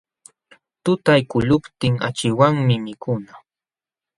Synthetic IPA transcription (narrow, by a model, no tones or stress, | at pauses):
t̪ʊt̪ajkʊʎʊpt̪ɪŋa̰t͡ʃɪwaŋmɪmɪkʊna